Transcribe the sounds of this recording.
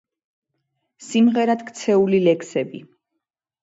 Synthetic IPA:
simʁɛɾad̪kʰt̪sʰɛulilɛkʰsɛbḭ

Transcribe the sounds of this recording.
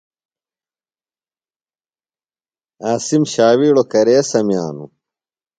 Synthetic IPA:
aːsimɕaːwiːɽokɐɾeːsɐmjaːnṵ

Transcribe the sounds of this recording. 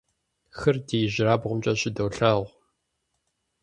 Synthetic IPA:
xɨrdeːjɪʑɪraːbʁʷʊmt͡ʃʼɐɕɪdɐwɬɐʁʷ

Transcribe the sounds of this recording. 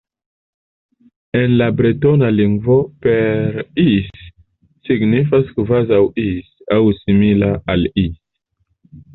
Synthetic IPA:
enlabɾitonaliŋɡvopeɾisː | iɡnifaskvazawisawsimilaalis

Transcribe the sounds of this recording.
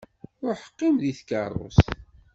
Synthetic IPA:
ʊɾħə̥qːimðiθkɑ̰rˤo̰s

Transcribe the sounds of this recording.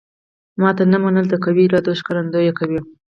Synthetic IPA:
mɑt̪anəmanəld̪əkawiɾɑd̪oʃkaɾand̪ojekawi

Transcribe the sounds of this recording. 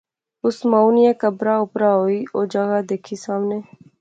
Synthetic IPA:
ʊsmauːnɪjãːkəbɾaːʊpɾaːɦoːiːoːd͡ʒəɡaːd̪eːkʰiːsaːmneː

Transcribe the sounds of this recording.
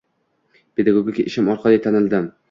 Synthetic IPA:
pʰe̞d̪aɡoɡʲɪkʲaʔɪʃɪmɒɾqʰɑd̪ajt̪ʰanɪld̪ɪm

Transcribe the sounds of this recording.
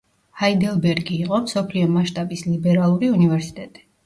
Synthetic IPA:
haid̪ɛlˠbɛɾɡiːqʼɔmsɔpʰliɔmaʃt̪ʼabislibɛɾalˠuɾiunivɛɾsi̥t̪ʼɛt̪ʼi̥

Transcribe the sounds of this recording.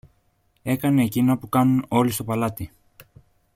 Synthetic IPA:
e̞kɐne̞ːcinɐpukɐnuno̞list̪o̞pɐlɐt̪i

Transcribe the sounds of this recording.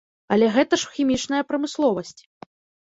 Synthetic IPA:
ɐlʲɛɣɛt̪ɐʂxʲimʲit͡ʂnɐjɐpɾɐmɨslˠɔvɐsʲt͡sʲ

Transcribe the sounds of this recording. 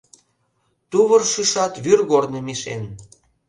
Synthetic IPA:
t̪uβɤrʃyʃɑt̪βyrɣornemiʃḛn

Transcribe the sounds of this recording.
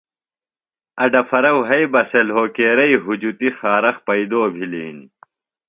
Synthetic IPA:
ɐɖɐfɐɾɐwɦɐjbɐselɦoːkeːɾɐiɦud͡ʑut̪ixaːɾɐxpɐid̪oːbʱilḭːn

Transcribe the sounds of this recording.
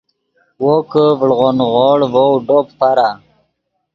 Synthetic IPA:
wokəvɭʁonʁoɽvowɖoppaɾa

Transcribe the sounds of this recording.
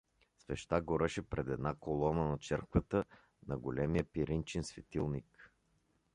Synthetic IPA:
svɛ̰ʃt̪aɡoɾɛʃɛpɾɛd̪ɛd̪nakolˠɔnənɐt͡ʃɛɾkvət̪ə | nɐɡolɛmijəpiɾint͡ʃɛnsvɛt̪ilˠnik

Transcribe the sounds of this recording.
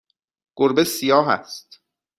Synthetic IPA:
ɡ̥oɾbesijɒːɦæ̰st̪

